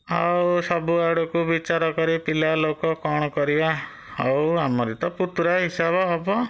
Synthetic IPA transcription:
awsɔbuaɽukubit͡ʃaɾɔkɔɾipilalokɔkɔɽ̃ɔkɔɾiba | awamɔɾit̪ɔput̪ɾaɦisabɔɦɔbɔ

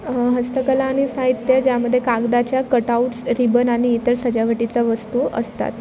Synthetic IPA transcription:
ɦəst̪əkəlaːɽ̃isaɦit̪jəd͡ʑjaməd̪ʱːjekaɡd̪at͡ɕjakəʈauʈsɾibənaɽ̃iːt̪əɾsəd͡ʑaʋəʈit͡səʋəst̪uə̰st̪a̰t̪

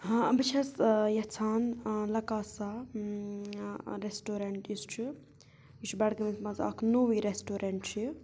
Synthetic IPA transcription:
bɨt͡ʃʰɐsjɐt͡sʰaːnlɐkaːsa | ɾesʈoːɾɐɳʈjist͡ʃʰi | jit͡ʃʰbɐɽɡɐmismɐza̰ːkʰnoʋiɾesʈoːɾɐɳʈt͡ʃʰi

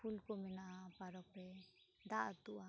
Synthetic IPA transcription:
pʰulkɔmɛnaʔpaɾɔk̚ɾɛ | d̪aʔt̪uʔa

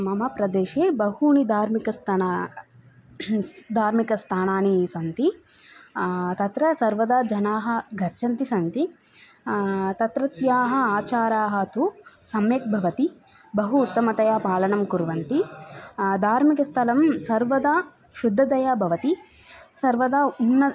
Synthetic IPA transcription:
mɐmɐpɾɐd̪eːʃeːbɐɦuːɳid̪ʱaːɾmikɐst̪ʰɐna | d̪ʱaːɾmikɐst̪ʰaːnaːnisɐnt̪i | t̪ɐt̪ɾɐsɐɾʋɐd̪aːd͡ʒɐnaːɦɐ̆ɡʱɐt͡ʃʰɐnt̪isɐnt̪i | t̪ɐt̪ɾɐt̪jaːɦɐ̆aːt͡ʃaːɾaːɦɐt̪usɐmjɐk̚bʱɐʋɐt̪i | bɐɦuːt̪ːɐmɐt̪ɐjaːpaːlɐnɐmkuɾʋɐnt̪i | d̪ʱaːɾmikɐst̪ʰɐlɐmsɐɾʋɐd̪aː | ʃud̪ʱːɐd̪ɐjaːbʱɐʋɐt̪i | sɐɾʋɐd̪aunːɐ

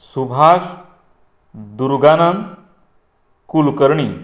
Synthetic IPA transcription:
subʱaʂ | d̪uɾɡanan | kulkəɾɳi

